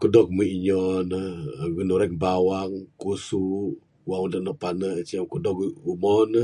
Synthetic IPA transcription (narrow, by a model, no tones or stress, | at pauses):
kədɔk̚miʔiɲɔnəɡənuɾɛk̚bawaŋkusu | waŋudahnɔʔpanət͡ʃiakədɔkumɔn